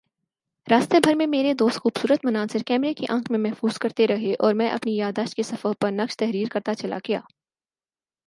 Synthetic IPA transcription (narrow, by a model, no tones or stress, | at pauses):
ɾaːst̪ebʱɐɾmẽmeːɾed̪oːst̪xuːbsuːɾət̪mɐnaːsɪɾkɛːmɾekiʔɐ̃ːkʰmẽmɛɦfuːz̥kɐɾt̪eɾɐɦeʔɔːɾmɛ̃ːʔɐ̰pnijaːd̪aːʃt̪̚kesɐfəɦpɐɾnɐkʃt̪ɛɦɾiːɾkɐɾt̪at͡ʃɐla̰ɡɐja̰ː